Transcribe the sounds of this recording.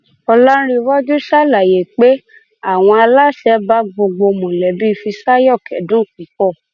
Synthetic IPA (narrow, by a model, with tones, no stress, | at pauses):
ɔ˧lɔ˦ɾi˧˦wɔ˦d͡ʒu˦ʃa˦˨la˨je˨k͡pe˦ | a˦˨w̃ɔ̃˧a˧la˦ʃɛ˨˦ba˦ɡ͡bo˧ɡ͡bo˧mõ˨lɛ˨bi˦˧fi˧sa˦jɔ˦˨kɛ̰˨dũ˦˨k͡pĩ˨˦k͡pɔ˦˨